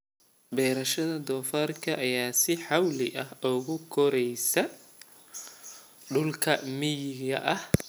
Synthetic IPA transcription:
bɛːɾɐʃɐðɐd̪ɔːfaːrkʰɐʔɐjaːsɪħɑwlɪ̰ʔɐhʊɣʊkʰɔɾɛjsɐ | ɖʊlkʰɐmɪjɪɣɐ̰ʔɐh

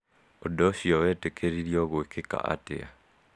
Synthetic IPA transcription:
odɔsiɔwɛtekʰeɾiɾiɔɣoekeka̰ʔa̰tḛa̰

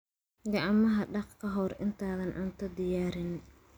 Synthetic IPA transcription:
ɡɑʕɑmɐɦɐɖɑqkʰɐɦɔrɪnt̪ʰaːðɐnʔa̰nt̪ʰɐd̪ɪjaːɾɪn

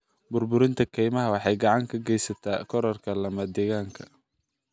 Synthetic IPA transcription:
bʊrbʊɾɪnt̪ʰɐkʰɛjmɐɦɐwɑħɑjɡɑʕɑŋkʰɐɡɛjsɐt̪ʰaːkʰɔɾɐrkʰɐlɐmɐd̪ɛːɣaːŋkʰɐ̥

